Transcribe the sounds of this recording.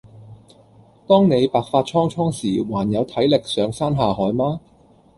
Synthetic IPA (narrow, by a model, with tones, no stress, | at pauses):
t̪ɔː˥ŋne˨˧jpaː˨˧k̚faː˧t̚t͡ʃʰɔː˥ŋt͡ʃʰɔː˥ŋsiː˨˩waː˨˩njɐ˨˧wt̪ʰɐ˨˥jlɪ˨k̚sœː˨˧ŋsaː˥nɦaː˨˧hɔː˨˥jmaː˥